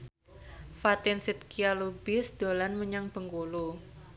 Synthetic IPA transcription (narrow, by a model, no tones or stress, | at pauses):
fat̪ɪnsit̪̚kialubɪsd̪̥o̤lanməɲaŋb̥əŋkulu